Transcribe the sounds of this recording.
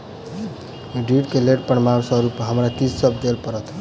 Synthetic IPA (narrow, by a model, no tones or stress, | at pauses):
ɖiʈkeleʈpəɳmamsʌ̃ɾupːɦəmɾat̪issʌbd̪elpəɾət̪ʰ